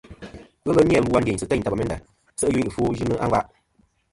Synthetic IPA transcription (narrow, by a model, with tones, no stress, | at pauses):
ɣə˦lə˦mja˨lu˦a˧n˦e˨ɲ˨sɨ˨tɛ˦˨ta˨a˨mɛ˦nda̰˨ | sə˦ʔɨ˦ju˦ɲ˦˨fo˦ʒɨ˦nɨ˦ʔa̰˦ŋɡa˦ʔ